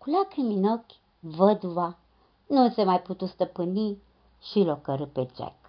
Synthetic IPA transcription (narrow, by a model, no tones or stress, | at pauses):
kulakɨminokʲ | vəd̪uva | nunsemajput̪ust̪əpɨni | ʃilokəɾɨpet͡ʃḛk